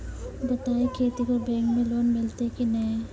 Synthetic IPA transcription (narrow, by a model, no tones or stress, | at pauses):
bɐt̪aːekʰeːt̪ikobẽːŋɡmẽloːnmɪlt̪ekinɐẽ